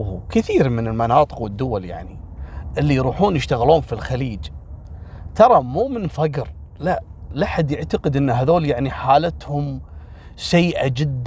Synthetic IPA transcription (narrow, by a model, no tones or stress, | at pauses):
kɪθiːɾmɪnɪlmanɑːt̪ˤɨ̥qwɪd̪ːʊwalja̰ʕniʔɪlːijɾuːħuːnjəʃt̪aɣluːnfilxaliːd͡ʒ | t̪ɑɾˤɑmuːmɪnfaɡɾ | laʔlaħad̪jɪʕt̪aqɨd̪ʔɪnːɦaðoːljaʕniħaːlat̪hʊm | sajːʔad͡ʒɪd̪ː